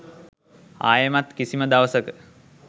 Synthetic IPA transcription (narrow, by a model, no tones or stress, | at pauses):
a̰ːjəmat̪kisiməd̪aʋəsəkə